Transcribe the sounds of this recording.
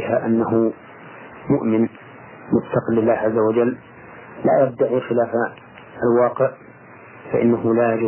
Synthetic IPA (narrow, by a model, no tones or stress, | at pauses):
ɪhaʔanːahʊ | mʊʔmɪn | mʊtfɑqɪlːɪlːaːhʕazːawad͡ʒalː | la̰ːjab̚d̪aʕixɪlaːf | alwɑːqɪʕ | fa̰ʔɪ̰nːahʊlaːjad͡ʒɪ